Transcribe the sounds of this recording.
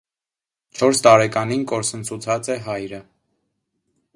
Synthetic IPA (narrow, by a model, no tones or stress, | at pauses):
t͡ʃʰɔɾst̪ɑɾɛkɑninkɔɾsənt͡sʰut͡sʰɑt͡sɛɦɑjɾə